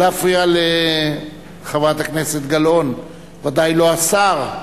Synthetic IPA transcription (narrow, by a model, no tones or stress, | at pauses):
afʁiale | χavat̪hakne̞set̪ɡalo̞n | vad̪ajlo̞asaʁ